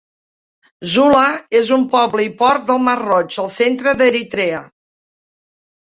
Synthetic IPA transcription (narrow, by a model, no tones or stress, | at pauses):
zuləezumpɔβləipɔrt̪̚d̪əlˠmərɔd͡ʒəlˠsent̪ɾəðəɾit̪ɾɛə